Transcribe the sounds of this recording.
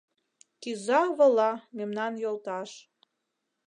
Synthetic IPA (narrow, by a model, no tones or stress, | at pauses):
kizɑβɤlɑmemnɑnjolˠt̪ɑʃ